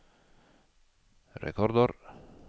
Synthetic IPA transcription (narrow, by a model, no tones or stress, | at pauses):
rḛkoɾd̪oɾ